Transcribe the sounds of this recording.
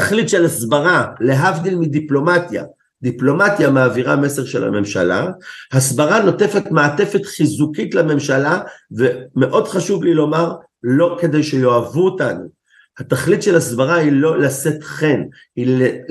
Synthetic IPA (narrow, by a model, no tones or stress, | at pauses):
aχlit̪ʃe̞lasbaʁale̞ɦavd̪ilmidiplo̞matja̰ | d̪iplo̞matjamaːviʁame̞se̞ʁʃe̞̰la̰me̞mʃa̰la̰hasbaʁano̞te̞fe̞tmaːte̞fetχizukitlame̞mʃalaveme̞ʔo̞dχaʃuvlilo̞maʁ | lo̞ke̞de̞jʃejo̞avuotanu | hat̪aχlit̪ʃe̞lasbaʁailo̞lase̞tχe̞n | hile